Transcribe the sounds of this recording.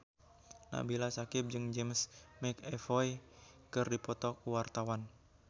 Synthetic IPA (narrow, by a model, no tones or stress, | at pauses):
na̰bilasakɪp̚d͡ʒɨŋd͡ʒɛmsmɛkɛfɔjkɨrdipɔt̪ɔkuwart̪awan